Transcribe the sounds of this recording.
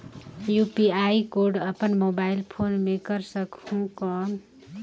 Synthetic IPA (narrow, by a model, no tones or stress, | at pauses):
jupiajkoɾɖʌpənmobailpʰonmekʌɾsʌkhũkɔn